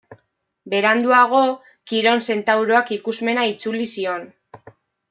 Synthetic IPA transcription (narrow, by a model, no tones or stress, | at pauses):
be̞ɾand̪uaɣ̞o̞ | kiɾo̞nse̞nt̪awɾoakikuzme̞nait͡sulisio̞n